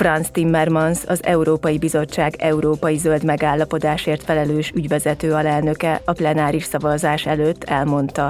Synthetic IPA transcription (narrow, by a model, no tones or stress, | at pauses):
frɒnst̪imːɛrmɒnsɒzɛ̰uɾoːpɒjibizo̞t͡ʃːaːɡɛuɾoːpɒjizøld̪mɛɡaːlːɒpo̞d̪aːʃeːrt̪fɛlɛløːʃyɟʋɛzɛt̪øːɒlɛlnø̞kɛɒplɛnaːɾiʃsɒvɒzaːʃɛløːtt̪ʰːɛlmo̞nt̪ɒ